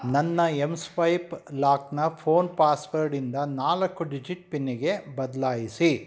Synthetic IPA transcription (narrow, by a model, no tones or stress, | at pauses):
nɐnːɐemspɐjplaːknɐpʰoːnpaːsʋɐɾɖind̪ɐnaːlɐkːuɖid͡ʒiʈ̚pinːiɡe̞bɐd̪ɐlaːjisi